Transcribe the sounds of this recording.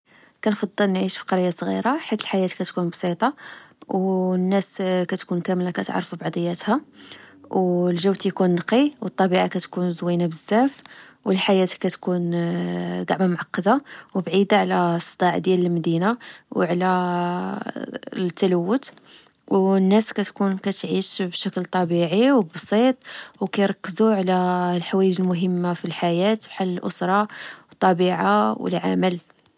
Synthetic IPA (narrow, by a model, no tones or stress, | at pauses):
kænfɑd̪ˤːɑlnʕiʃfi̥qɑɾjːasˤɣḭɾaħit̪əlħajæt̪kæt̪kunbsˤit̪ˤɑwnːæskæt̪kunkæmlakæt̪ʕɾˤfubɑʕd̪ˤəjːæt̪hæ | wlʒəwt̪jkunːqiwət̪ˤːɑbiʕakæt̪kunzˤwinabəzːæfwəlħajæt̪kæt̪kun | ɡ̪ɑ̰ʕmamʊʕɑqːɑd̪awəbʕid̪aʕlæsˤːəd̪ˤɑʕd̪jæləlmæd̪inawʕlæ | t̪ːæləwːʊt̪ | wnːæskæt̪kunkæt̪ʕiʃbʃæklt̪ˤɑbiʕiwbɑsˤit̪ˤwkæjɾˤɑkːəzuʕlælħawæjəd͡ʒəlmʊɦəmːafilħajæt̪bħalːəlʔʊsɾˤɑwət̪ˤːɑbiʕawə̰lʕa̰məl